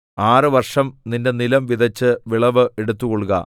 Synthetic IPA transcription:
aːrɨʋɐrʂɐmninde̞nilɐmʋid̪ʱɐt͡ɕːɨʋiɭɐʋɨʔe̞ɽut̪ːukoɭuɣɐ̰

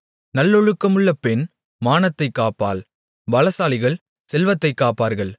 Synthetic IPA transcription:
nɐlːɔɻɯkːɐmɯɭːɐpɛn | maːnɐt̪ːɐɪkːaːpːa̰ːl | ʋɐlɐsaːlɪɣɐɭ | sɛlʋɐt̪ːɐɪkːaːpːaːɾɣɐɭ

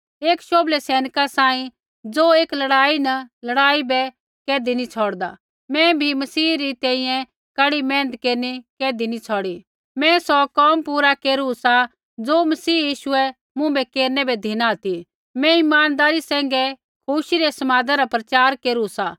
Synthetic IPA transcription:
eːkʃoːblɛsɛːnəkasãːĩ | d͡zoːeːklɐɽaːinɐlɐɽaːibɛ | keːd̪init͡sʰɔːɽd̪a̰ | mɛ̃bʱimɐsiːɾit̪ɛ̃ĩjɛ̃ | kɐɽimɛ̃ːnət̪keːɾnikeːd̪init͡sʰɔːɽi | mɛ̃sɔkɔːmpuːɾakeːɾusa | d͡zoːmɐsiːjiːʃʊɛ | mʊ̃bɛkeːɾnɛbɛd̪ʱinat̪i | mɛ̃ɪmaːnd̪aːɾisɛ̃ːŋɡɛ | kʰuʃiɾɛsɐmaːd̪aɾapɾɐt͡ʃaːɾkeːɾusaː

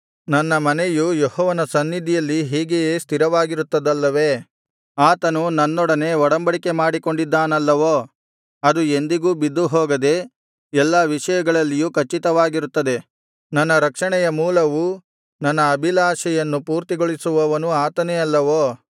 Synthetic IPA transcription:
nɐnːɐmɐnejujɔhɔːʋɐnɐsɐnːid̪ʱijɐlːiɦiːɡejeːst̪ʰiɾɐʋaːɡiɾut̪ːɐd̪ɐlːɐʋeː | aːt̪ɐnunɐnːɔɽɐne̞ɔɽɐmbɐɽike̞maːɽiko̞ɳɖid̪ːaːnɐlːɐʋoː | ɐd̪uend̪iɡuːbid̪ːuɦɔːɡɐd̪e̞ | ɛlːaʋiʂɐjɐɡɐɭɐlːijuːkʰɐt͡ʃːit̪ɐʋaːɡiɾut̪ːɐd̪e̞ | nɐnːɐɾɐkʂɐɳɛjɐmuːlɐʋu | nɐnːɐːbʱilaːʃɛjɐnːupuːɾt̪iɡoɭisuʋɐʋɐnuaːt̪ɐneɐlːɐʋoː

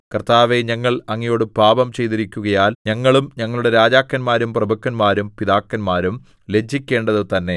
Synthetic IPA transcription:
kɐrt̪aːʋe̞ɲɐŋːɐɭɐŋːijo̞ːɽɨbʱaːbɐmt͡ɕe̞jt̪iɾikʲːuɣɐjaːlɲɐŋːɐɭumɲɐŋːɐɭuɽe̞ɾaːd͡ʑaːkːɐnmaːɾumprɐbɐkːɐnmaːɾumpiðaːkːɐnmaːɾum | le̞d͡ʑʱːikʲːe̞ːɳɖɐðɨt̪ɐnːe̞

